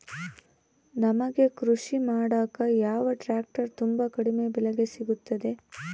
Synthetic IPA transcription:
nɐmɐɡe̞kɾuʂimaːɽaːkɐjaːʋɐʈɾaːk̚ʈɐɾt̪umbakɐɽime̞bɛleɡesiɡut̪ːɐd̪e̞

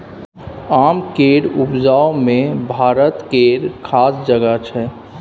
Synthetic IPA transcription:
aːmkeɾupd͡ʒaomẽbʱaːɾət̪keɾkʰaːsd͡ʒəɡat͡ʃʰɛ

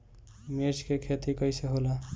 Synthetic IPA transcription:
meɾt͡ʃkekʰet̪ikʌjseɦola

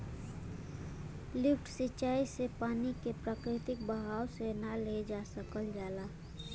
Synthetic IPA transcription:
lɪpʰʈʰsɪt͡ʃaːisepaːnikepɾaːkɾɪt̪ɪk̚bəɦaːwsenaled͡ʒasəkəld͡ʒaːla

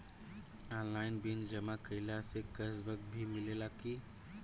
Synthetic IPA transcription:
anlaɪnbind͡ʒəmakəɪlasekəsbək̚bʱimilelaki

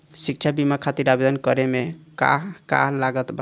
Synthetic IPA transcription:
sik̚t͡ʃʰabimakʰat̪iɾabed̪ənkəɾemeka̰ɦka̰ɦlaɡət̪ba

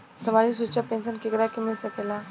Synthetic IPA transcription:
səmad͡ʑis̬ut͡ɕapensənkekɾakimiɭsəkela

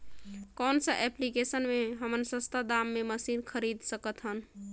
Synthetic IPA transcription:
kɔnsəʔɛplikesənmeɦəmənsə̃st̪əd̪amːeməsinkʰəɾid̪səkət̪ɦən

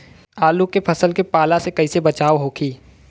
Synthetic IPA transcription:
aːlukepʰɐsəlkepaːlasekɐisebɐt͡ʃaːʋɦoːkiː

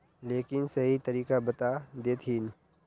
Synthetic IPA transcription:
leːkɪnsɐɦit̪ɐɾiːkabɐt̪ad̪eːt̪ʰiːn

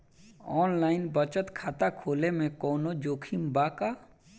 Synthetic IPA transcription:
ɔːnlaːɪnbət͡ʃət̪kʰaːt̪akʰoːlemẽkɔːnod͡ʒoːkʰimbaka

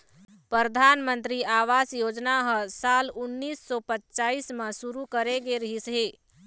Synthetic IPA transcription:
pɾəɾəd̪ʱaːnmə̃nt̪ɾiaːʋaːsjoːd͡ʒnaɦəsaːlʊnːiːsːɔpətːt͡ʃaːismẽsuɾukəɾeɡeɾəɦisɦeː

